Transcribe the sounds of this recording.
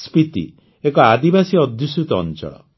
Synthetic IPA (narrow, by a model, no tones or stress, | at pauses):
spit̪ḭ | ekɔad̪ibasiɔd̪ʱjusut̪ɔ̰nt͡ʃɔ̰ɭɔ̰